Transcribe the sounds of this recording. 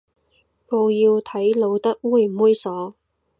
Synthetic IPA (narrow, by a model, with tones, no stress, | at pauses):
ko˧wjiː˧wt̪ʰɐ˨˥jlo˨˧wt̪ɐ˥k̚wuː˥jm̩˨uː˥jsɔː˨˥